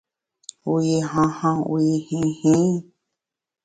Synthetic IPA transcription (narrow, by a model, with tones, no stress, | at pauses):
u˧i˧ɦã˧hã˧u˧i˧hĩ˧hĩ˦